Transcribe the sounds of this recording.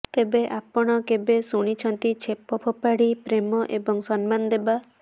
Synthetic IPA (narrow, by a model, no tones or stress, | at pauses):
t̪ebeʔapɔɽ̃ɔkebesuɽ̃it͡ʃʰɔnt̪it͡ʃʰepɔpʰɔpaɽipɾemɔʔebɔŋsɔnmand̪eba